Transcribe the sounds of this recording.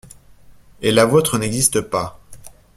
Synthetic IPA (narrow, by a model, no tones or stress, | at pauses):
elavot̪χənɛɡzist̪əpa